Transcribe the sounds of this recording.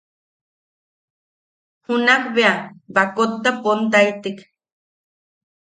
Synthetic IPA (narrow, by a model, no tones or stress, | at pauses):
hunakbeabakot̪ːapont̪ait̪ik